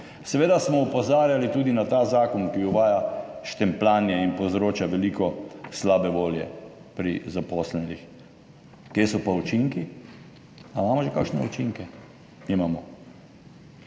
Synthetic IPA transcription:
sɛʋeːd̪asmɔupɔzaːɾjalit̪uːd̪inat̪azaːkɔnkiuʋaːjaʃt̪ɛmplaːnjɛinpozɾoːt͡ʃaʋɛliːkɔslaːbɛʋoːljɛ̰ | pɾḭzapɔːslɛnix | kjeːsɔpaut͡ʃiŋki | amaːmɔʒɛkakʃnɛ̰ṵt͡ʃiŋkɛ | mimaːmɔ

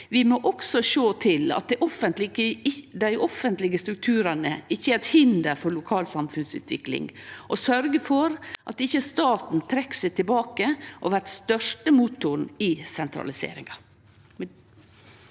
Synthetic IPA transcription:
ʋɪmoːʔɔksɔʃoːt̪ʰɪlɑ̰t̪̚d̪ɛʔɔfənt̪lɪəd̪æɪʔɔfənt̪lɪɡəst̪ɾʉk̚t̪ʰʉːɾɑnəɪçːəæɾɛt̪hɪnd̪əɾfɔɭʊkʰɑːlsɑmfʉnsʉ̰ːt̪ʋɪklɪ̰ŋʔɔsœɾɡəfɔɾʔɑt̪ɪçːəst̪ɑːt̪n̩t̪ʰɾɛkːsɛɪt̪ʰɪlbɑːkəʔɔʋæʈst̪œʂʈəmuːt̪ʊɳɪsɛnt̪ʰɾɑ̰lɪsḛːɾɪ̰ŋɑ

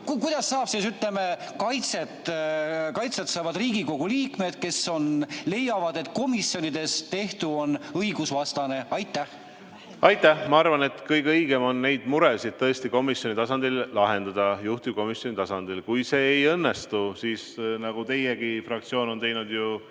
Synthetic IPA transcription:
kkujd̪̥ɑsːɑːb̥siːsyt̪ˑle̞me̞kɑjt̪se̞t̪ | kɑjt̪set̪sɑːvɑd̪riːɡiko̞ɡ̥uliːkme̞d̪̥̚ke̞so̞nle̞jːɑvɑd̪̥e̞t̪ːˑko̞misjo̞nid̪̥e̞st̪e̞ht̪uo̞nɤjɡ̥usvɑst̪ɑne̞ɑjt̪ːˑæh | ɑjt̪ːˑæhmɑɑrvɑne̞t̪kɤjɡɤjɡ̥e̞mo̞nːe̞jd̪muɾesid̪̚t̪ɤest̪iko̞misjo̞nit̪ɑsɑnd̪̥illɑɦe̞nd̪̥ɑd̪̥ɑjuht̪iko̞misjo̞nit̪ɑsɑnd̪̥ilkujse̞ːjɤnːest̪usiːsnɑɡ̥ut̪e̞jeɡ̥ifrɑk̚t̪sio̞ːno̞nt̪e̞jnud̪̥ju

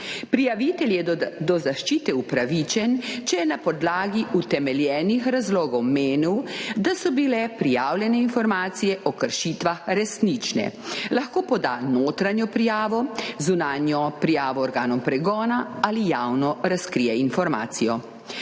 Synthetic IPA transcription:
pɾijaʋit̪ɛljɛd̪ɔzaʃt͡ʃiːt̪ɛupɾaʋiːt͡ʃɛnt͡ʃɛjɛnapɔd̪laːɡiut̪ɛmɛljɛːnixɾazloːɡɔwmeːniwd̪asɔbilɛpɾijaːwljɛnɛinfɔɾmaːt̪sijɛʔɔkəɾʃit̪ʋaxɾɛsnit͡ʃnɛ̰laxkoːpɔd̪anoːt̪ɾaɲjɔpɾijaːʋɔzunaːnjɔpɾijaːʋɔːɾɡaːnɔmpɾɛɡɔːnaalijaːwnɔɾaskɾiːjɛinfɔɾma̰ːt̪sijɔ

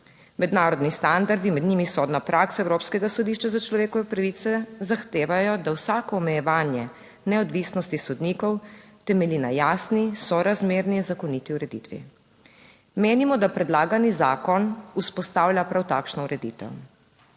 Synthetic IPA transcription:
mɛd̪naːɾɔd̪nist̪and̪aɾd̪imɛd̪niːmisɔd̪napɾʔaksaɛwɾoːpskɛɡasɔd̪iːʃt͡ʃazat͡ʃlɔʋeːkɔʋɛpɾaʋit̪sɛzaxt̪eːʋajɔd̪awsaːkɔːmɛjɛʋaːnjɛ | nɛɔd̪ʋisnɔst̪isɔd̪nikɔwt̪ɛmɛlinajaːsnisɔɾazmeːɾninzakɔnit̪iuɾɛd̪ḭt̪ʋḭ | meːnimɔd̪apɾɛd̪laːɡanizaːkɔnuspɔst̪aːwljapɾawt̪aːkʃnɔuɾɛd̪ḭt̪ɛ̰w

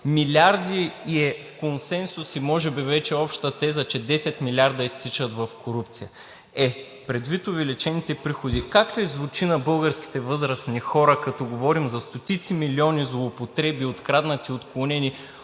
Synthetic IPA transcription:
milʲaɾd̪iɛ | konsɛnsʊsimɔʒɛbivɛt͡ʃɛɔpʃt̪ət̪ɛzɐt͡ʃɛd̪ɛsɛt̪milʲaɾd̪ɐist̪it͡ʃɐt̪vɐfkoɾup̚t̪sijə | ɛ | pɾɛd̪vit̪ʊvɛlit͡ʃɛnit̪ɛpɾixod̪ikaklɛzvut͡ʃinɐbɤlˠɡəɾsk̟i̥t̪ɛvɤzɾəsnixɔɾɐkɐt̪ɔɡovɔɾimzɐst̪ot̪it̪similiɔnizlˠoːpot̪ɾɛbiot̪kɾad̪nɐt̪iot̪klˠonɛni

